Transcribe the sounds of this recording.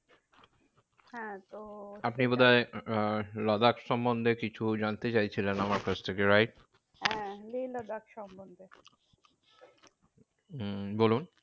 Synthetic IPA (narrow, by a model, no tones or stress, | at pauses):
hɛ̃t̪oapnibod̪ae | lɔd̪akʃɔmbond̪ʱekit͡ɕʰud͡ʑant̪et͡ɕajt͡ɕʰilenamaɾkat͡ɕʰt̪ʰekeɾajʈ̚ | ɦɛ̃lilɔd̪akʃɔmbond̪ʱe | bolun